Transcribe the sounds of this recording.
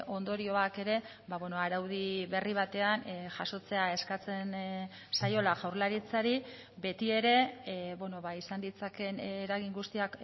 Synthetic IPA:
ʔo̞nd̪o̞ɾio̞ake̞ɾe̞ | βaβeno̞aɾawð̞iβe̞riβ̞at̪e̞anʝaso̞t͡se̞ae̞skat͡se̞n | sajo̞laʝawɾlaɾit͡saɾi | be̞t̪ie̞ɾe̞βono̞βaisand̪it͡sake̞nːɾaɣiŋɡust̪iak

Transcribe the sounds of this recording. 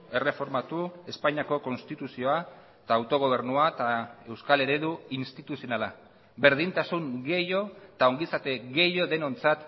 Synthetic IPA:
e̞re̞fo̞ɾmat̪ue̞spaɲiako̞ko̞nst̪it̪usio̞a | t̪aːwt̪o̞ɣ̞o̞β̞e̞ɾnuat̪ae̞wskale̞ɾe̞ðuinst̪it̪usionala | be̞ɾðint̪asuŋɡe̞jo̞t̪ao̞ŋɡisat̪e̞ɣe̞jo̞ðe̞no̞nt͡sat̪

